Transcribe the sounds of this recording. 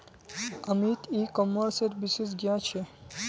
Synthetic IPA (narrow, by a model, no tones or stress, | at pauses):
əmit̪ikɔmːəɾseɾbisesɡjãt͡ʃʰe